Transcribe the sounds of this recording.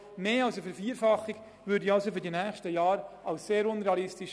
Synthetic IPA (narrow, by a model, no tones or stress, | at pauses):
meːɑlsəfɛɾfiəɾfɑχːik | ʋʏːɾdiɑlsofyɾdinæːχʃtəjɑːɾɑʊsseːɾʊnɾeɑlɪstiʃ